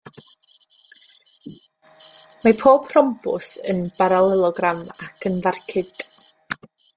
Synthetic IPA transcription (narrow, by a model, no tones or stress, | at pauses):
mapʰoːb̥ʰrɔmpʊ̰sə̰nb̥aɾalˠɛlˠɔɡramakʰənvarkʰɪd̥ʼ